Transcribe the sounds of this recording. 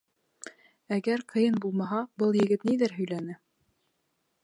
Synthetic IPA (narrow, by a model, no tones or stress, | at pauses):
æɡæɾqʰɤ̆jɤnbulˠmɑɦɑbɤlˠjɘ̆ɡɘt̪niðɘɾɦɵ̆jlænɘ